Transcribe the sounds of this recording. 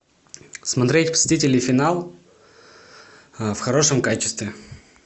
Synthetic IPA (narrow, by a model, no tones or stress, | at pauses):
smɐt̪ɾʲetʲpə̥sʲɪtʲitʲɪlʲnɨfʲɪnalˠ | fxɐɾo̞ʂɨmkat͡ɕɪ̥st̪vʲɪ